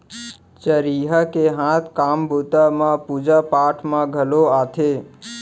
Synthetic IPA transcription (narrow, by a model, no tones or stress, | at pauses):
t͡ʃəɾiːɦəkeɦãt̪ʰkaːmbʱut̪amãpuːd͡ʒapaːʈʰmãɡʱəloaːt̪ʰe